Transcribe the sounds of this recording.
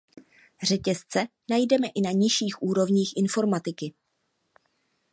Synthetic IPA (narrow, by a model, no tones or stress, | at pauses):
r̝ɛcɛst͡sɛnajdɛmɛʔɪnaɲɪʃiːxʔuːɾo̞vɲiːxʔɪnfo̞ɾmat̪ɪkɪ